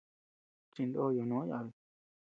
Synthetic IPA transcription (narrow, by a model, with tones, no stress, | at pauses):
t͡ʃi˧nd̪o˦jo˨nõ˨˦ja̰˧˨βi˨